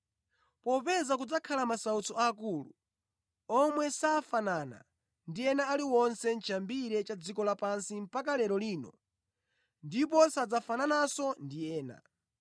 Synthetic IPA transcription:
pɔpɛzakud͡zakʰalamasaut͡sɔaːkuːlṵ | ɔmwɛsaːfanana̰ | ndiɛnaːliwɔnsɛn̩t͡ʃʰambiɾɛt͡ʃad͡zikɔlapansim̩pakalɛɾɔliːnɔ | ndip̬ɔsad͡zafananasɔndijɛːna̰

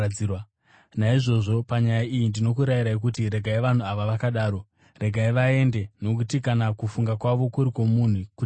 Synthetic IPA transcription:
iwa | naiʐo̞ʐo̞paɲajaijindino̞kuɾajiɾaek̬utiɾe̞ɡʱaiʋan̤uaʋaʋakaɗaːɾo̞ | re̞ɡʱaiʋae̞nde̞no̞kutikanakufuŋɡakwaʋo̞kuɾiko̞mun̤uku

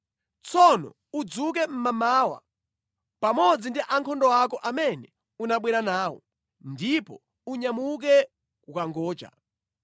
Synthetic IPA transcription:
t͡sʰɔnɔ̰ | ud͡zuk̬ɛm̩mamaːwa̰ | pamɔd͡zindiʔaŋkʰɔndɔwakɔʔamɛnɛ | unaɓwɛɾanaːwɔ̰ | ndipɔ | uɲamuk̬ɛ | kukaŋɡɔːt͡ʃa̰

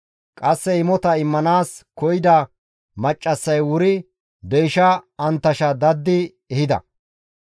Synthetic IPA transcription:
kʼɐsːɛɪmɔt̪ɐɪmːɐnaːskɔjɪd̪ɐ | mɐt͡ʃʼːɐsːɐjwʊɾɪ | d̪ɛjʃɐɐnt̪ːɐʃɐd̪ɐd̪ːɪ | ɛhɪd̪ɐ̰

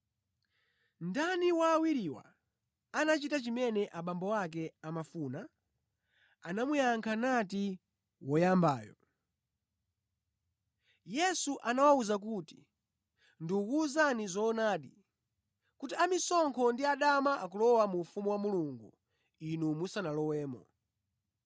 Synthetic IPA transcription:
ndaniwaːwiɾiwa̰ | anat͡ʃitat͡ʃimɛnɛʔaɓambɔwak̬ɛamafuːna | anamujaŋkʰanati | wɔjamba̰ːjɔ̰ | jɛsuʔanawauzak̬uːti̥ | ndiukuzanizɔːnaːɗi | kutiamisɔŋkʰɔndiaɗamaʔak̬ulɔwamufumuwamuluŋɡu | inumusanalɔwɛːmɔ̰

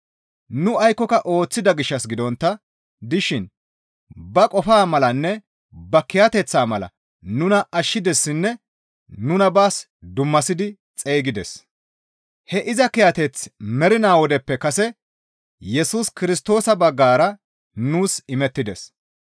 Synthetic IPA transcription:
nʊɐjkːɔkɐʔo̞ːt͡sːɪd̪ɐɡɪʃːɐsɡɪd̪ɔnt̪ːɐ | d̪ɪʃɪn | bɐkʼɔfaːmɐlɐnːɛ | bɐkɪjat̪ɛt͡sːaːmɐlɐ̰ | nʊnɐʔɐʃːɪd̪ɛsːɪnːɛ | nʊnɐbaːs | d̪ʊmːɐsɪd̪ɪ | t͡sʼeːɡɪd̪ɛs | hɛʔɪzɐkɪjat̪ɛt͡smɛɾɪnaːwɔd̪ɛpːɛkɐsɛ | jɛsuːskɪɾɪst̪o̞ːsɐbɐɡːaːɾɐ | nuːsɪmɛt̪ːɪd̪ɛs

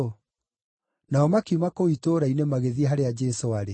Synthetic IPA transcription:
naɔmakiumakoitoɾainemaɣeðiɦaɾead͡ʒɛsoaɾe

